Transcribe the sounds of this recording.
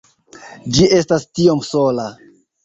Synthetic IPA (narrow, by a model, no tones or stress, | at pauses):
d͡ʒiʔe̞stastio̞msola